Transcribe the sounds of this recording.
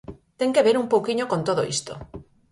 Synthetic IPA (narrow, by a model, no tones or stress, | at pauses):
t̪eŋkeβeɾumpowkiɲokont̪oðoḭst̪o̰